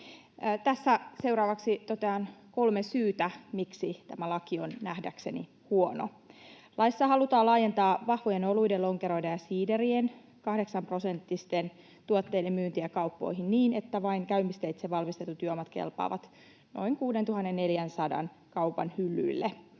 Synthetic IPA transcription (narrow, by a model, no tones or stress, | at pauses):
t̪æsːæse̞wɾɑːʋɑksit̪ot̪eɑːnko̞lmesyːt̪æmiksit̪æmælɑkionnæhdækse̞nḭ | huono̰ | lʔɑisːɑhɑlut̪ɑːlɑːje̞nt̪ɑːʋɑhʋojenolujdelo̞ŋkeɾo̞jdɑjɑsiːderien | kɑhde̞ksɑmpro̞se̞nt̪ːist̪en | t̪uot̪ːe̞jdemːyːnt̪iækɑupːo̞̰iɦinniːnet̪ːæʋɑiŋkæymist̪eit̪seʋɑlmist̪et̪ːut̪yøomɑt̪kḛlpɑ̰ːʋɑt̪ | no̞̰iŋkuːdent̪uhɑnːenːne̞ljænsɑdɑ̰n | kɑupɑ̰nhylːy̰ilːe